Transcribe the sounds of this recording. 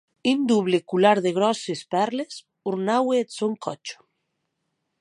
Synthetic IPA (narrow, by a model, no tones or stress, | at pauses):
ind̪uβlekulaɾðeɣ̞ɾɔsespɛɾles | uɾnaweːt̪soŋkʰɔt͡ʃo̥